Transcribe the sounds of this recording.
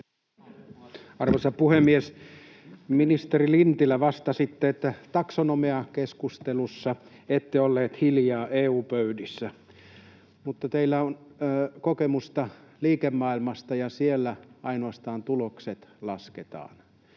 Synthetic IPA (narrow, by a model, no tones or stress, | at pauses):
ɑrʋosɑpuhemːies | minist̪erilint̪ilæʋɑst̪ɑsit̪ːeet̪ːæt̪ɑksonomeɑkeskust̪elusːɑ | et̪ːeolːeːt̪hiljɑːʔeːuːpøydisːæ | mut̪ːɑt̪eilːæonːkokemust̪ɑliːkemːɑːilmɑst̪ɑjɑsielːæɑinoɑst̪ɑːnt̪ulokset̪lɑsket̪ɑ̰ːn